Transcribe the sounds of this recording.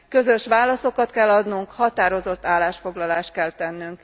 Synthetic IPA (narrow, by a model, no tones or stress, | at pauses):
kø̞zø̞ʃʋaːlɒso̞kɒt̪kɛlːɒd̪nuŋkhɒt̪aːɾo̞zo̞t̪ːaːlːaːʃfo̞ɡlɒlaːʃt̪̚kɛlt̪ɛnːyŋk